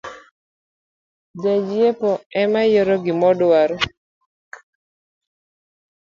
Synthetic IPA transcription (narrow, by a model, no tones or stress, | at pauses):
d͡ʒad͡ʒiepɔɛmajɔɾɔɡɪmɔdwaɾɔ